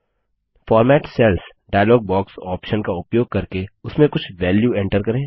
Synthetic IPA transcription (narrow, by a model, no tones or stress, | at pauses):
fɔːɾmɛːʈsɛls | ɖaːjəlɔːɡ̚bɔːksɔːpʃənkaʊpjoːɡ̚kɐɾkeʊsmẽkʊt͡ʃʰʋɛːljuɛ̃ɳʈəɾkɐɾẽː